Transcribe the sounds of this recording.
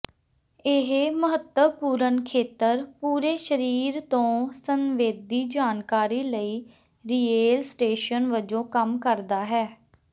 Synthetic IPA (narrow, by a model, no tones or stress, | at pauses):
ɪɦməɦət̪əpuːɾənkʰeːt̪əɾpuːɾeːʃəɾiːɾt̪õːsənʋeːd̪iːd͡ʒaːnkaːɾiːləiː | ɾiːeːlsʈeːʃənʋəd͡ʒõːkəmkəɾd̪aːɦɛː